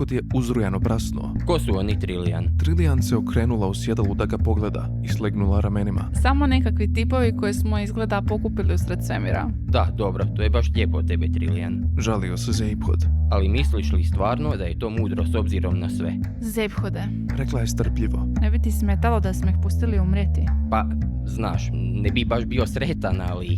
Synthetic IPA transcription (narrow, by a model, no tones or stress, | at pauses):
kod̪jeuzɾujanopɾasnṵo̰ko̞suo̞nit̪ɾilia̰nt̪ɾilianseokɾeːnulˠausjed̪alˠud̪aɡapo̞ɡled̪a̰ | islˠeɡnulˠaɾamenima̰samonekakʋit̪ipo̞ʋiko̞jesmoizɡled̪apo̞kupiliusɾed̪semḭɾa̰ | d̪ad̪o̞bɾo̞t̪ojebaʃʎʲepot̪e̞bet̪ɾḭlḭja̰nʒaliosezejpxo̰d̪alimisliʃlist̪ʋaːɾnod̪ajet̪omuːd̪ɾoso̞bziɾomnasʋe | zzejpxod̪e | ɾeklˠajest̪r̩pʎiʋonebit̪ismet̪alod̪asmoixpust̪iliumɾjet̪ipa | znaːʃ | nɛbibaʒbiosɾet̪anali